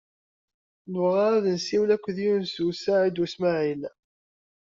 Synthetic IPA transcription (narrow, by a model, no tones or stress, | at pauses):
nvʁɑæðənsiwlækʷːðiunsusaʕid̪usmæʕil